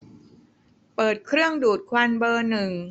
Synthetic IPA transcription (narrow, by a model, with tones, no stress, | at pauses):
pɤː˨˩t̪̚kʰɾɯ˥˩əŋduː˨˩t̪̚kʰwa˧nbɤː˧nɯ˨˩ŋ